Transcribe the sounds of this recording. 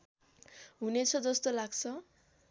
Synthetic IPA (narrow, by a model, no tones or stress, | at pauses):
ɦunet͡sʰʌd͡zʌst̪olaɡt͡sʰʌ